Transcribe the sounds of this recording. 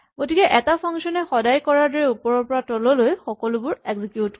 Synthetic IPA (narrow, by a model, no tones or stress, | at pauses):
ɡotikɛʔɛtapʰɔŋsɔnɛxɔdajkɔɹaɹdɔɹɛupɔɹɔɹpɔɹatɔlɔlojxɔkɔlʊbʊɹɛɡzikjut